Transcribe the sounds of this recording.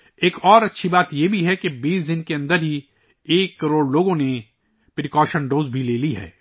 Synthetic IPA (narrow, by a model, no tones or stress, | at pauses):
eːkɔːɾɐtːʃʰibaːt̪jebʱiɦɛkebiːsd̪ɪnkeɐ̃nd̪əɾɦi | eːkːɐɾoːɽloːɡõne | pɾɪkɔːʃənɖoːzbʱileːliɦɛ̰ː